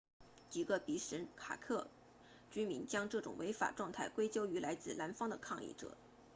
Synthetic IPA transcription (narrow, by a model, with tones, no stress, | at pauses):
t͡ɕi˨˩ɡə˧pi˧˥ʂə˧˥nkʰa̰˨˩kʰɤ˥˩ | t͡ɕy˥mi˧˥nt͡ɕjɑ˥ŋʈ͡ʂɤ˥˩ʈ͡ʂʊ̰˨˩ŋwe˧˥ɪfa̰˨˩ʈ͡ʂwɑ˥˧ŋt̪ʰa˥˩ɪkwe˥ɪt͡ɕjo˥ʊy˧˥lʔa˧˥ɪt͡sɹ̩˥˩la˧˥nfɑ˥ŋd̪ə˨kʰɑ˥˧ŋḭ˥˩ʈ͡ʂɤ̰˨˩˦